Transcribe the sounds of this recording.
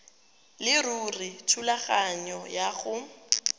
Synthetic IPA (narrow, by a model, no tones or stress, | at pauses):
lɪruritʰulaχaɲɔjaɣʊ